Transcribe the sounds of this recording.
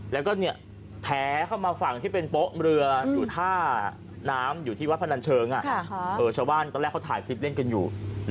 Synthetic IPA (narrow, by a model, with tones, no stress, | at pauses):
lɛ˦˥wkɔː˥˩ni˥˩ɐ | p̪ʰɛː˦˥kʰa˥˩wmaː˧fa˨˩ŋt̪ʰiː˥˩pe˧npo˦˥ʔɾɯ˧ɐjuː˨˩t̪ʰaː˥˩ | naː˦˥mjuː˨˩t̪ʰiː˥˩a˦˥t̚pʰa˧na˧nt͡ɕʰɤː˧ŋʔa˨˩ʔɤː˨˩t͡ɕʰaː˧wbaː˥˩nk̪ɔː˧˩lɛː˥˩kʰːa˦˥t̪ʰaː˨˩˦jkʰɯi˦˥t̪̚le˥˩nka˧njuː˨˩